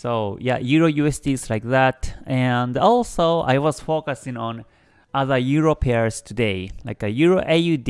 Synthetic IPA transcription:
soʊja̰juɾojʉesdizlaɪk̚ðætɛ̃ndɔlsoʊʔa̰ɪwʌz̥fokasĩŋõn | aðə˞juɹopʰeə˞z̥t̪ʰud̪eɪla̰ɪkɨjuːɾoʔejʉd

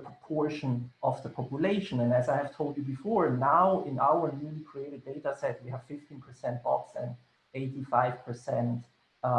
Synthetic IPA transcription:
əpʰɹ̥ɔpʰɔɹʃə̃nʔɔvðəpʰɔpjʊleɪʃə̃nɨ̃næzaɪhɨv̥tʰoʊlˠdjɨbɨfɔɹnaʊɪ̃nʔaʊə˞njulikʰɹ̥ieɪɾɨd̚eɪɾasɛt̚wihæv̥fɪftĩnpʰə˞sɛ̃nt̚b̥ɔksɛ̰̃n | eɪtifaɪv̥pʰə˞sɛ̃nt

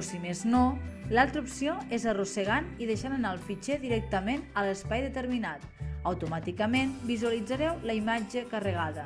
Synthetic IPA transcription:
simeznolalˠt̪ɾəupsioezərusəɣ̞aniðəʃanənaəlˠfit͡ʃɛðiɾɛk̚t̪əmenələspajðət̪əɾminat̪əwt̪umat̪ikəmenbizuəlid͡zəɾɛwləimad͡ʒəkərəɣ̞aðə

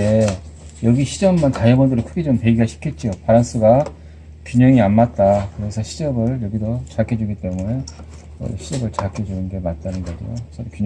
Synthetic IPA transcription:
e | jʌɡiɕʰid͡ʑʌmːantajʌbʌndɯɾokʰɯɡed͡ʑompeɡiɦaɕʰi̥kʰe̞t̚t͡ɕ͈iopaɾans͈ʰɯɡa | kjuɲʌŋianmat̚t͈akɯɾe̞sʰʌɕʰid͡ʑʌbɯɭjʌɡidot͡ɕakʰed͡ʑuɡit͈e̞mune | ʌ̰ɕʰid͡ʑʌbɯɭt͡ɕakʰʌd͡ʑunɯnɡe̞mat̚t͈anɯnɡʌɾḭjo̰ʌku

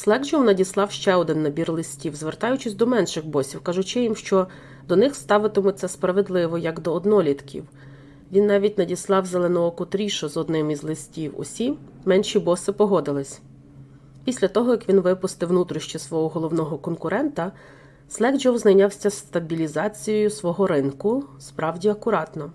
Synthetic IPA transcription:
slˠɛɡd͡ʒɔwnɐdʲislˠɑwʃt͡ʃɛɔd̪ɪnːɐbʲirlˠɪsʲtʲiwzʋert̪ɑjʊt͡ʃɪsʲd̪ɔmɛnʃɪxbɔsʲiwkɑʒʊt͡ʃɪjimʃt͡ʃɔ | d̪ɔnɪxst̪ɑʋɪt̪ɪmʊt̪sɛspɾɐʋed̪lˠɪʋɔjɐɡd̪ɔːd̪nɔlʲit̪kʲʰḭw | ʋʲinːɑʋʲitʲnɐdʲislˠɑwzelˠenɔɔkʊt̪ɾʲiʃɔzɔd̪nɪmizlˠɪsʲtʲiwɔ̰sʲimɛnʃʲibɔsɪpɔɦɔd̪ɪlˠɪsʲ | pʲisʲlʲɐt̪ɔɦɔjɐkʋʲinʋɪpʊst̪ɪwnut̪ɾʊʃt͡ʃisʋɔɦɔɦɔlˠɔwnɔɦɔkɔnkʊɾɛnt̪ɐ | slˠɛɡd͡ʒɔwznɐjnʲɑwsʲɐst̪ɐbʲilʲizɑt͡sʲijɔjʊsʋɔɦɔɾɪnkʊspɾɑwdʲiɐkʊɾɑt̪nɔ

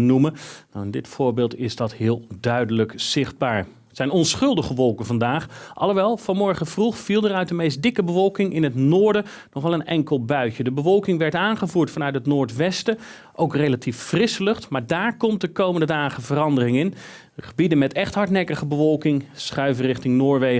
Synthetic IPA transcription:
numənawɪndɪtfʊːɹbɪːlˠtɪzdɑtɦɪːlˠdœɥdələkz̥ɪχd̚baːɹ | sɛjnɔnsχɵlˠdəχəʋɔlˠkənvɑndaːχɑ̰lˠəʋɛlˠv̥ɑnmɔɹχəvruχfilˠdəɾœɥtdəmejstdɪkəbəvɔlˠkɪŋɪnɦətnoːɹdə | nɔχɛlˠənɛ̰ŋkəlˠbœɥcədəbəvɔlˠkɪŋʋɛɹtaːnχəvuːɹtfɑnœɥtɦətnʊːɹtʋɛstə | ʔowkrejlatʰiffrɪsəlɵχtmaːɹdaːɹkɔmt̚dəkowməndədaːχəvərɑndərɪŋɪn | χəbidənmɛtɛχtɦɑɹtnɛkəχəbəvɔlˠkɪŋsχœɥvərɪχtɪŋnoːɹʋej

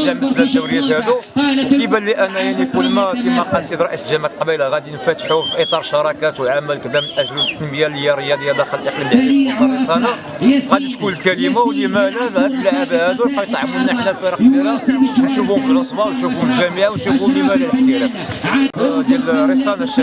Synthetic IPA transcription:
æmblæd̪ːuwɾəjːæt̪hæd̪ukəbælːiʔænæjaʕnikʊlːmæfifɑqɑsid̪ɾˤɑʔisəlʒæmʕat̪lqbilaɣæd̪inəfæt̪ħufiʔit̪ˤɑɾˤʃɑɾˤɑkæt̪wəlʕamælkd̪æmlʔæʒlt̪ːənməjæləjæɾəjːæd̪jːæd̪æxəlʔəqlimsɑɾˤəsˤɑna | ɣæd̪it̪kunəlkælimawd̪imænæbd̪bəlʕabhæd̪uqɑjt̪ˤʕəmənæħnælfiɾɑqblilanʃubʊmfələsˤbɑʔwnʃufuməlʒæmiʕawnʃuulimæliləħt̪ilæf | d̪jælɾəsˤɑnæʃ

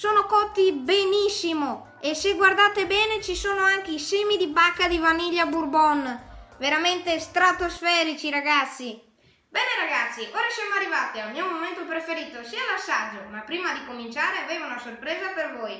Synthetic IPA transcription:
soːnokɔt̪ːibenisːimo | eseɡward̪aːt̪ebɛːnet͡ʃisoːnoaŋk̟eiseːmid̪ibakːad̪ivaniʎːaburbɔnveɾament̪est̪ɾat̪osfɛːɾit͡ʃiɾaɡat̪sːi | bɛːneɾaɡat̪sːiʔoːɾasjamoarːivat̪iamiumoment̪opɾefeɾiːt̪osiːalasːad͡ʒːomapːɾiːmad̪ikomint͡ʃaːɾeaveːvaunasorpɾɛːzapervoj

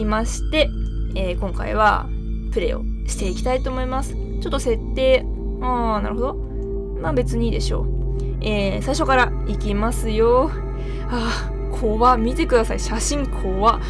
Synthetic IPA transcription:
imaɕi̥t̪e̞eːkõ̞ŋka̰ḭβ̞a̰ | pɯ̟ɾe̞̰o̞̰ɕi̥t̪e̞ikʲi̥t̪ait̪o̞ːmo̞imasɨ̥ | t͡ɕo̞t̪ːose̞t̪ːe̞ː | ana̰ɾɯ̟ɦo̞d̪o̞ | mabe̞t͡sɨɲ̟iːd̪e̞ɕo̞̰ː | eːsaiɕo̞kaɾa | ikʲimasɨjo̞ | a | kʰoβamʲit̪e̞kɯ̟d̪asaiɕaɕĩŋkʰoːβa

